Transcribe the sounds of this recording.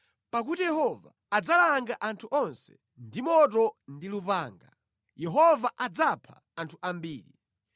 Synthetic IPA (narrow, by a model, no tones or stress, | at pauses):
pak̬utijɛhɔva̰ːd͡zalaŋɡaʔantʰuʔɔnsɛ̥ | ndimɔt̬ɔndilupaːŋɡa | jɛɦɔvaʔad͡zapʰa | antʰuʔambiːɾi